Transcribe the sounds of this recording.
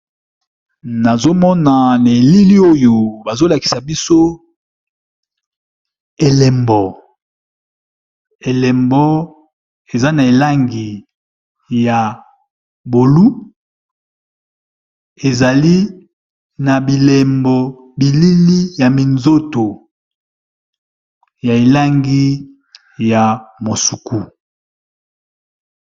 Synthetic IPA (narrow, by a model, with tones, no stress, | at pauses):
na˨zo˦mɔ˦na˨na˨e˨li˦li˦o˦jo˨ba˨zo˦la˨ki̥˨sa˨bi˦so˦ | e˨lɛ˨mbɔ˨ | e˨lɛ˨mbɔ˦ | e˨za˦na˨e˨la˦ŋɡi˨ | ja˨ | bo˨lu˦ | e˨za˨li˦ | na˨bi˨le˨mbɔ˨ | bi˨li˦li˦ja˨mi˨nzo˦to˨ | ja˨e˨la˦ŋɡi˦ | ja˨mo˨su˨ku˦